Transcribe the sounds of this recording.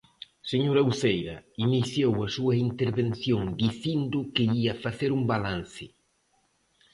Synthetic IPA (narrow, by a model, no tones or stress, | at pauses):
seɲoɾawθejɾɐiniθjowɐsuɐint̪eɾβen̟θjoŋd̪iθind̪ʊkɪiɐfaθeɾumbalanθɪ